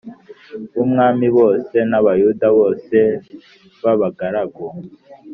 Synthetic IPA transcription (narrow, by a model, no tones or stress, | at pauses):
βumŋaːmiβo̞ːse̞naβajudaβo̞ːse̞ | βaβaɡaɾaɡo